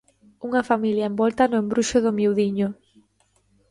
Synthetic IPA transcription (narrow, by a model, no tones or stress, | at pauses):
uŋafamiljaembɔlt̪anʊẽmbɾuʃʊðʊmjiwðiɲo